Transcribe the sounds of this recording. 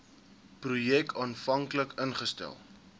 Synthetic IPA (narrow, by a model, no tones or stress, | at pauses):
prujɛkɑːnfɐŋkləkənχəstæ̰lˠ